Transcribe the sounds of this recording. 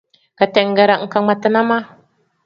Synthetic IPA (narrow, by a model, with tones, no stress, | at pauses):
ka˨tɛ˨ŋ˦ɡɛ˨ɾa˨ŋ̩˨ka˨ŋ͡ma˨tɨ˨na˦ma˦